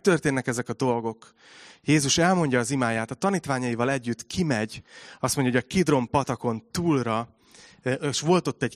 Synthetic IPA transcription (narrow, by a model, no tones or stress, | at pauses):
t̪ø̞rt̪eːnːɛkɛzɛkɒd̪o̞lɡo̞k | jeːzuʃɛlmo̞ɲɟɒːzimaːjaːt̪ɒt̪ɒniːt̪ʋaːɲɒjivɒlɛɟːyt̪kʰimɛɟɒst̪mo̞ɲɟjɒoɟɒkid̪ro̞mpɒt̪ɒko̞nt̪uːlrɒ | eːʃʋo̞lt̪o̞t̪ːɛɟ